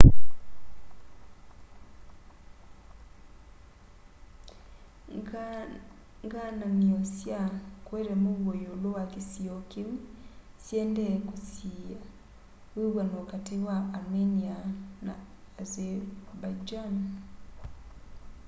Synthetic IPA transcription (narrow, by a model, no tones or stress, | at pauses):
ŋɡanamiɔsjakwɛɾɛmowwojolowakesiokim | sjɛndɛkusija | eɣwanokatewaameniana̰ː | zewabad͡ʒan